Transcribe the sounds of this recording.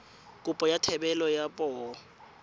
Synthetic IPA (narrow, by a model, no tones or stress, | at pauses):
kʼupʼɔjatʰɛɓɛlɔjapʼɔwɔ